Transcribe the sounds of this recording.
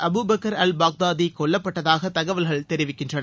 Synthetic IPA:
ʔɐbuːbɐkːɐɾɐlbaːk̚d̪aːd̪ikɔɭːɐpːɐʈːɐðaːɣɐt̪ɐɣɐʋɐlɣɐɭt̪ɛɾɪʋɪkːɪndrɐnɐ

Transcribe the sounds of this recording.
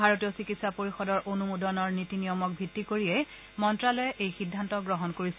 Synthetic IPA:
aɹotijɔsikitsapoɹixɔdɔɹʔonumudɔnɔɹnitinijɔmɔk̚bʱitːikoɹiɛ | mɔntɹalɔjɛʔejxidʱːantɔɡɹɔɦɔnkoɹisɛ

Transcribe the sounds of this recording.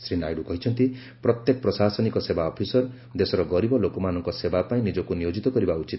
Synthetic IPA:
sɾinajɽukɔɦit͡ʃʰɔnt̪i | pɾɔt̪jekɔpɾɔsasɔnikɔsebaɔpʰisɔɾ | d̪esɔɾɔɡɔɾibɔlokɔmanɔŋkɔsebapaĩnid͡ʒɔkunijod͡ʒit̪ɔkɔɾibaut͡ʃit̪

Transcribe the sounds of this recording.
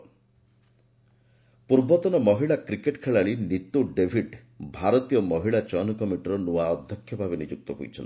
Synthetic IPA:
puɾbɔt̪ɔnɔmɔɦiɭakɾikeʈkʰeɭaɭinit̪oɖebʱiɖ | bʱaɾɔt̪ijɔmɔɦiɭat͡ʃɔnkɔmiʈɔɾɔnuaɔd̪ʱjɔkʰjɔbʱabenid͡ʒuk̚t̪ɔɦṵjt͡ʃʰɔnt̪

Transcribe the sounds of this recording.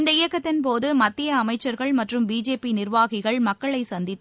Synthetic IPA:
ɪnd̪ɐɪjɐkːɐt̪ːɪnp̬oːðɯmɐt̪ːɪjɐːmɐɪt͡ʃːɐɾɣɐɭmɐʈrɯmbiːd͡ʒeːpinɪrʋaːɣɪɣɐɭmɐkːɐɭɐɪsɐnd̪ɪt̪ː

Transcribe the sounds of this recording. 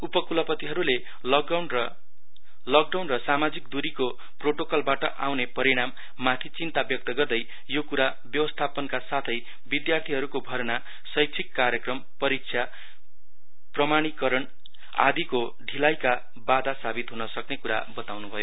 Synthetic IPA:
upʌkulʌpʌt̪iɦʌɾule | wnrʌ | lʌk̚ɖawnrʌsamad͡zikd̪uɾiko | proʈokʌlbaʈʌʔawnepʌɾiɽ̃amː | at̪ʰit͡sint̪abjʌk̚t̪ʌɡʌrd̪ʌj | jokuɾa | bjʌwʌst̪ʰapʌnkasat̪ʰʌj | bid̪jart̪ʰiɦʌɾukobʱʌɾna | sʌjkt͡sʰikːaɾjʌkrʌmpʌɾik̚sʰja | prʌmaɽ̃ikʌɾʌn | a̰d̪iko | ɖʱilajka | bad̪asabit̪ɦunʌsʌknekuɾa̰bʌt̪awnubʱʌjo

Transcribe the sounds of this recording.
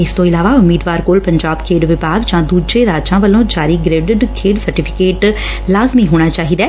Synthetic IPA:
ɪst̪õːɪlaːʋaːʊmːiːd̪ʋaːɾkoːlpəɲd͡ʒaːbkʰeːɖʋɪbaːɡd͡ʒãːd̪uːd͡ʒeːɾaːd͡ʒãːʋəlõːd͡ʒaːɾiːɡɾeːɖɪɖkʰeːɖsəɾʈɪːpʰɪkeːʈ | laːzmiːɦoːɽ̃aːt͡ʃaːɦiːd̪ɛː

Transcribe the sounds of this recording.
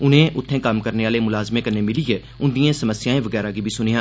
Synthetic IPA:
ʊn̤ɦẽʔʊt̪ʰːẽːkamkɐɾneʋaːlemʊlaːzmekɐɾnemɪliɦe | ʊ̃nd̪ijãsɐməsjaːẽʋɐɡɛːɾaɡibʱisʊnijãː

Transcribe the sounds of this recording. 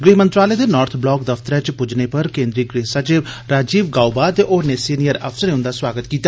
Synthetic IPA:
ɡɾeːmə̃nt̪ɾaːleːd̪eːnɔːɾt̪ʰblɔːk̚d̪ɐfʰt̪əɾɛt͡ʃpʊd͡ʒnepəɾkẽːnd̪ɾiːkɾeːsat͡ʃe | ɾaːd͡ʒiːʋɡaːubaːt̪eʔoːneːsiːnijəɾɐfʰsəɾeʊ̃nd̪aːswaːɡət̪kiːt̪a

